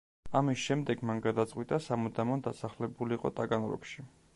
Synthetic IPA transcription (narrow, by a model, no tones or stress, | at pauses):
amisʃɛmd̪ɛɡ̥manɡad̪at̪sʼqʼwit̪ʼasamɔd̪amɔnd̪asaχlɛbuliːqʼɔ̰t̪ʼaɡanɾɔ̰kʃi